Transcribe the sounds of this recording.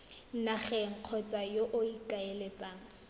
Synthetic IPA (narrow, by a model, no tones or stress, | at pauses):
naχɛŋ̩q͡χʰɔt͡sʼajoʔʊikʼaelet͡sʼaːŋ̩